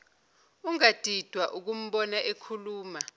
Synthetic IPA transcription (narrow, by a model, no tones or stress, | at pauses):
uŋad̥ʱid̥ʱwaʔuk̬um̩ɓɔnaʔekʰuluːma